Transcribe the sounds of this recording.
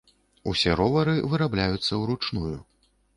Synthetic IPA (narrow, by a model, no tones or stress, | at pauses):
usʲɛɾɔvɐɾɨvɨɾablʲajut̪sːɐwɾut͡ʂnuju